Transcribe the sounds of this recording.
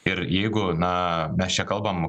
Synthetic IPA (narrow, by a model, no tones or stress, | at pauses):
ɪɾjɛɪɡʊnɐmʲɛst͡ʃʲɛkɐlˠbɐm